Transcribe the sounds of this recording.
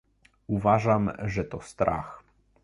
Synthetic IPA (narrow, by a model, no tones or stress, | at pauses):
uvaʐamʐɛt̪ɔst̪ɾʔa̰x